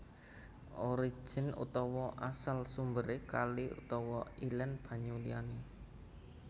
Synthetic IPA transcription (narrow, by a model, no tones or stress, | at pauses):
ʔoɾi̥ʒ̥ə̤nṵt̪ɔwɔʔasalsumbəɾekaliṵt̪ɔwɔilənb̥a̤ɲuliane